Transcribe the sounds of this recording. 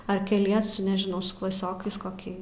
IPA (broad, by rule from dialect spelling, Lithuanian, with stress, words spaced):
ɐr kʲɛˈlʲiɛsʊ nʲɛʒʲɪˈnɐʊ sʊ klˠɐˈsʲoːkɐɪs koːˈkʲiː